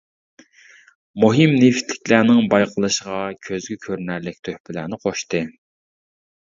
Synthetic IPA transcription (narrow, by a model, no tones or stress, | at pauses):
muɦɨmneft̪ʰlɪ̥kʲlæːnɪŋbɑjqʰəlˠɨʃəʁɑkʲʰøzɡʲykʲʰøɾnæɾlɪkʲt̪ʰøhpɪlæ̰ɾnɪqʰoʃt̪ɨ